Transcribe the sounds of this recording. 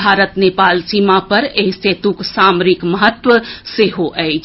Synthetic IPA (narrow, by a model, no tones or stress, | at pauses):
aːɾət̪neːpaːlsiːmapɐɾeːseːt̪uksaːmɾɪkməɦət̪ʋəseɦoʔɛe